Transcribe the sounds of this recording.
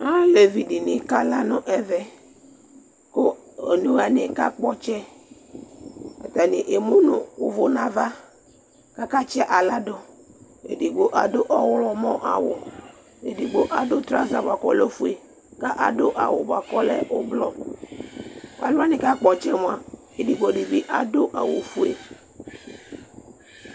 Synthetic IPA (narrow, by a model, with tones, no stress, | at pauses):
a˦le˨vi˨di˨nɪ˦ka˦la˦nʊ̃˦ʔɛ˨vɛ˦ | ko˦ | e˨nu˦a˨nɪ˦ka˦k͡pɔ˦t͡ʃɛ˦ | a̰˨ta˨nɪ˨ʔe˨mu˦nʊ˨ʊ˦vʊ˨nã˨va˦ | ka˦ka˦t͡ʃɛ˦ʔa˨la˦dʊ˦ | ḛ˨di˨ɡ͡bo˦ʔa˨dʊ˦ʔɔ˦wʊ˦lɔ˨mɔ̃˦ʔa̰˨wʊ˨ | e˨di˨ɡ͡bo˦ʔa˨dʊ˦t̪ɾa̰˦za˨ba˨kɔ̰˨lɛ˦fu˨e˨ | ka˦ʔa̰˨dʊ˦ʔa̰˨wʊ˨ba˨kɔ˦lɛ̰˦ʔʊ˦blɔ˦˨ | a̰˨lʊ˦a˦nɪ˨ka˦k͡pɔ˨t͡ʃɛ˦mʊ̃˦a˨ | e˨di˨ɡ͡bo˨di˨bi˦ʔa˨dʊ˦ʔa̰˨wʊ̰˨fu˦ḛ˨